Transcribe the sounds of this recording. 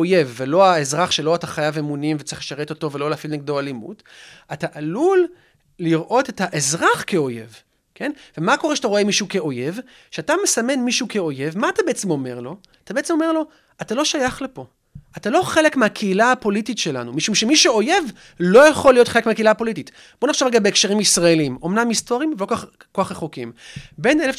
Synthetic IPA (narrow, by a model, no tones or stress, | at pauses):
oje̞vːelo̞aezʁaχʃeloataχajavemunimvet͡sḁeiχleʃaʁeto̞to̞velo̞leafilniɡdoalimṵt | ataʔalulː | iʁʔo̞te̞taʔezʁaχkeo̞je̞̰v | kʰe̞nvemako̞ʁeʃataʁoe̞miʃuukeo̞je̞v | ʃeatame̞same̞nmiʃuukeo̞je̞vmaːtabeet͡semo̞me̞ʁlo̞ | at̪abe̞et͡semo̞me̞ʁlo̞ | atalo̞ʃajaχlepo̞ | ʔatalo̞χe̞le̞kmeakʰeilaapo̞lititʃela̰numiʃumʃemiʃeo̞je̞v | lo̞jaχolːijo̞t̪χelekmeakeilaapo̞litit | bo̞naχʃavʁeɡabeːkʃeʁimisʁaelimo̞mnamisto̞ʁimvelo̞koχ | koaχʁeχokimbe̞nelef